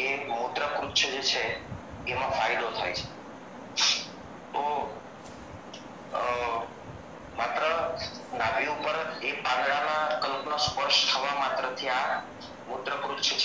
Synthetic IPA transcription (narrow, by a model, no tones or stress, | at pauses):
emud̪ɾəkɾutːt͡ʃʰd͡ʒet͡ʃʰeː | mãfaid̪ot̪ʰajt͡ʃʰe̥ | t̪o | mat̪ɾə | nabiupəɾepãnd̪ɭamãkəlknospəɾʃt̪ʰəʋamat̪ɾət̪ʰia | mʊd̪ɾəkɾut̪ːʃʰt͡ʃʰ